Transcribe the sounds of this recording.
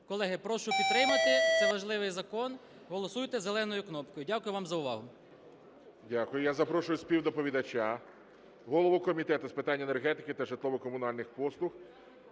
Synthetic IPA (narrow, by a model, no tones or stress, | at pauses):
kɔlˠɛɦɪpɾɔʃʊpʲid̪̚p̪ɾɪmɐt̪ɪt̪sɛʋɐʒlˠɪʋɪjzɐkɔn | ɦɔlˠɔsujt̪ɛzelˠɛnɔjʊknɔpkɔjʊdʲakʊjʊʋɑmzɐʊʋɑɦʊ | dʲakʊjʊjazɐpɾɔʃʊjʊspʲiwd̪ɔpɔʋʲid̪ɐt͡ʃʲa | ɦɔlˠɔʋʊkɔmʲit̪ɛt̪ʊspɪt̪ɑnʲːenerɦɛt̪ɪkɪt̪ɐʒɪt̪lˠɔʋɔkɔmʊnɑlʲnɪxpɔslˠʊx